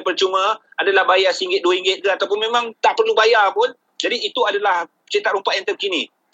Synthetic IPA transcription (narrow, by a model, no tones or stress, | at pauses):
pərt͡ʃumə̃adalahbajasəiŋɡɪt̪̚duəiŋɡɪt̪̚kaat̪awp̬ʊnmẽmãŋt̪aʔpərlubajapʊn | d͡ʒadiit̪uadalah | t͡ʃit̪at̪̚ɾumpat̪ʔjant̪am̚kinĩ